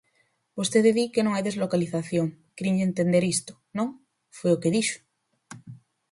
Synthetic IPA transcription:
bost̪eðeðikenõŋajðe̞zlokaliθaθjoŋkɾiɲʎent̪end̪eɾist̪o̥nõŋ | fweokeðiʃo̥

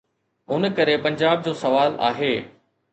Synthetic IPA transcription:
ʊn̆kɐɾepɐ̃ɲd͡ʑaːb̚d͡ʑoːsɐʋaːla̰ːɦeː

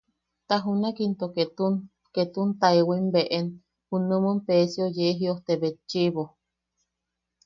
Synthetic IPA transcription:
t̪aɦunakint̪oket̪u | ket̪unt̪aewimbeʔen | hunumumpesiojeɦioht̪eβet͡ʃiβo

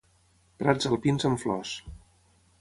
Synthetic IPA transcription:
pɾad͡zzəlˠpinzəɱflɔs

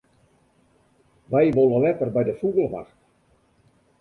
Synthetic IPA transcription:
ʋɛjʋoləlɛtərbɛjdəfubəlˠʋa̰xt

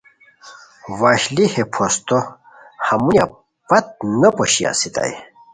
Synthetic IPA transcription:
waɕlihepʰost̪o | hɐmuja | pɐt̪̚nɐpoɕia̰sit̪a̰j

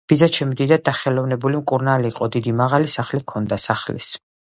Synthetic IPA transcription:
b̥izat͡ʃʰɛmd̪id̪ad̪aχɛlɔvnɛbulimkʼuɾnaliːqʼɔd̪id̪imaʁalisaχlikʰɔnd̪asaχlḭs

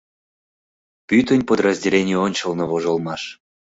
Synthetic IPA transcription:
pyt̪ənʲpod̪rəzʲdʲelʲenʲijuonʲt͡ɕəlnoβoʒolˠmɑʃ

